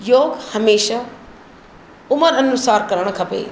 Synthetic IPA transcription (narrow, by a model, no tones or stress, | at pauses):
joːɡhɐmeːʃa | ʊməɾɐnʊsaːɾkɐɾəɽ̃kʰɐpḛː